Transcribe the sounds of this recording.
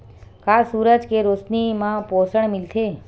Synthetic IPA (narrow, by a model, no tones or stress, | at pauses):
kasuːɾəd͡ʒkeɾosnimãposəɳ̃milt̪ʰe